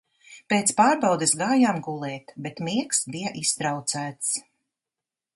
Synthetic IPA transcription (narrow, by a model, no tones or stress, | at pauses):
peːt̪spaːɾbawd̪esɡaːjaːmɡulˠɛːt̪bet̪miɛksbijɐʔist̪ɾawt̪sæːt̪s